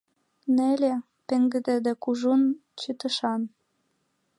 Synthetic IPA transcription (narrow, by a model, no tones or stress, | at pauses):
nĕlʲe | pĕŋɡɘ̆d̪ĕd̪ĕkuʒunt͡ɕyt̪ə̆ʃɑn